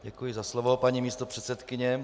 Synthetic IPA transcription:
ɟɛkujɪzaslovopaɲimiːst̪o̞pr̝̥ɛt̪sɛt̪kɪɲɛ

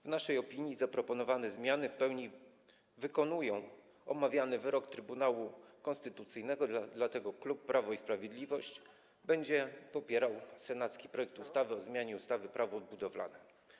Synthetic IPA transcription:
vnaʂɛjɔpʲiɲjizapɾɔpɔnɔvanɛzmʲjanɘfpɛwɲi | vɘkɔnujɔ̃w̃ | ɔ̰mavʲjanɘvɘɾɔkt̪ɾɘbunawukɔnst̪ɘt̪ut̪sɘjnɛɡɔd̪d̪lat̪ɛɡɔklupːɾʔavɔispɾavʲjed̪lʲivɔɕt͡ɕ | bɛɲd͡ʑɛpɔpʲjɛɾawsɛnat̪skʲi̥pɾɔjɛk̚t̪ust̪avɘɔzmʲjaɲɛust̪avɘpɾʔavɔːd̪̚bud̪ɔvla̰nɛ

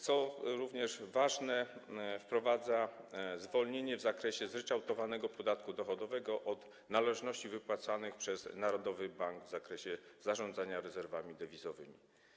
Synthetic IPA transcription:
t̪sɔɾuvɲɛʐvaʐnɛfpɾɔvad̪zazvɔlɲeɲɛvzakɾɛɕɛzɾɛt͡ʂawt̪ɔvanɛɡɔpɔd̪at̪kud̪ɔxɔd̪ɔvɛɡɔʔɔd̪ | nalɛʐnɔɕt͡ɕivɘpwat̪sanɘxpʂɛz̥naɾɔd̪ɔvɘbaŋɡvzakɾɛɕɛz̥aʐɔnd̪zaɲaɾɛzɛɾvamʲid̪ɛvʲizɔvɘmʲḭ

